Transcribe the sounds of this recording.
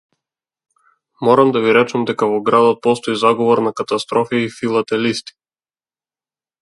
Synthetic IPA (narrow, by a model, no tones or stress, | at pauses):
mɔɾamd̪aviɾɛt͡ʃamd̪ɛkavɔɡɾad̪ɔt̪̚pɔst̪ɔizaɡɔvɔɾnakat̪ast̪ɾɔfiifilˠat̪ɛlist̪i̥